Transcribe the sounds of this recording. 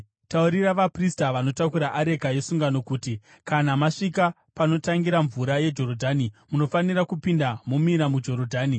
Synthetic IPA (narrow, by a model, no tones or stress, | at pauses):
tauɾiraʋapristaʋano̞takuɾaʔaɾe̞ɡʱaje̞suŋɡano̞kuːti | kanamaʂika | pano̞taŋɡiɾaɱvuɾaje̞d͡ʒo̞ɾodʱaːnimuno̞fanirakupindamumiɾamud͡ʒo̞ɾodʱaːni